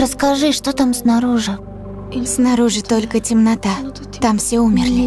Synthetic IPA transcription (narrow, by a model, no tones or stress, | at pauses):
ɾəskɐʐɨʂt̪ot̪amsnaɾuʐɨ | snɐɾuʐɨt̪olʲkətʲɪmnɐt̪a | t̪amfsʲeumʲɪrlʲɪ